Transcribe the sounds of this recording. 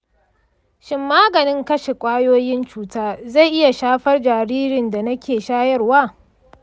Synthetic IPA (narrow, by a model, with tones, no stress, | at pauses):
ʃɪ˨mːaː˦ɡɐ˨nɪ˦ŋkɐ˦ʃe˨kʷʼaː˦joː˦jɪ˦nt͡ʃuː˦taː˦za˦˨jʔɪ˦ja˨ʃaː˦ɸɐ˦rd͡ʒaː˨ɾiː˦ɾɪ˨nda˨nɐ˦kʲeː˨ʃaː˦jɐ˦rwaː˦˨